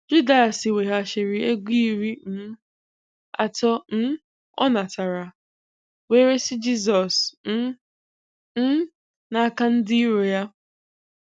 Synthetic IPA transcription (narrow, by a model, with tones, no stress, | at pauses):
d͡ʒu˦da˦˨sɪ˨we˨ɦa˨ʃe˨ɾɪ˦e˦ɡʷi˦i˦ɾi˦m̩˦ | a̰˨tɔ˦n̩˦ | ɔ̰˦na˨ta˨ɾa˨ | we˦ɾe˦sɪ˦d͡ʒi˦z̬ɔ˨sn̩˦ | n̩˦ | na˨˦ka˦n̩˦dɪ˦i˦ɾo˨ja˦